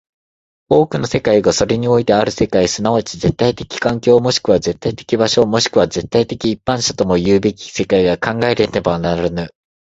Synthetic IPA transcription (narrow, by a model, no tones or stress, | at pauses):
o̞ːkɯ̟no̞se̞kaiɡaso̞ɾe̞ɲ̟io̞it̪e̞aɾɯ̟se̞kaisɨnaot͡ɕize̞t̪ːait̪e̞kʲi̥kãŋkʲo̞ːmo̞ɕi̥kɯ̟β̞aze̞t̪ːait̪e̞kʲibaɕo̞mo̞ɕi̥kɯ̟β̞aze̞t̪ːait̪e̞kʲiːpːãɰ̃ɕat̪o̞mo̞jɯːbe̞kʲi̥se̞kaiɡakãŋɡae̞ɾe̞t̪e̞banaɾɯnɯ